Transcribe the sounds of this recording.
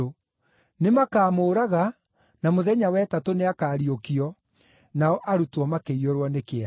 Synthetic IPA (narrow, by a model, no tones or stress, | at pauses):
o | nemakaːmoːɾaɣa | namoðɛɲawɛtatoneakaːɾiokiɔ | naɔʔaɾutwɔmakeiɔɾwɔnekea